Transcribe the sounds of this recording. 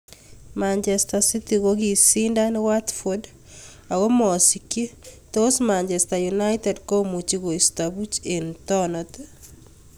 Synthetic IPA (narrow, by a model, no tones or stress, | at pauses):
maɲt͡ʃestasitiɣoɣisindanwatfod | aɣomɔsiketosmaɲt͡ʃestajunajtɛdkomut͡ʃiɣoistabut͡ʃentɔnɔt